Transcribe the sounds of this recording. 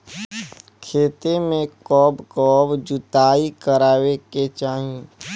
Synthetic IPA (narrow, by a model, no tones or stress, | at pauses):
kʰeːt̪emẽkɔːbkɔːbd͡ʒʊt̪aːikəɾaːweket͡ʃaːɦĩ